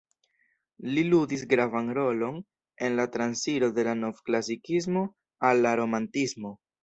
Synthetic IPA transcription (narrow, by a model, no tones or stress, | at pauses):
liludis̬ɡɾavanɾo̞lo̞n | e̞nlatɾansiɾo̞de̞lano̞vklas̬ikis̬mo̞ | alːaɾo̞mantismo̞